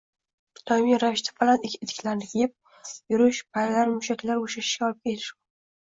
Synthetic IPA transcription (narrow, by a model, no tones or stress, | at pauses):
t̪ʰɒmijɾavɪʃt̪ʰḁfalanɪkʲʰɪt̪ʰɪ̥kʲlaɾnɪkʲʰejɪp̚ | jʊɾɪʃpʰajɾlaɾmʊʃakʲlaɾoʃaʃɪ̥ʃɡʲaɒlɪp̚kʲʰe̞lʰɪʃ